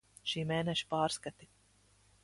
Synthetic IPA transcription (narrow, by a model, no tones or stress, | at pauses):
ʃiːmeːnɛʃi̥pɑːɾskat̪i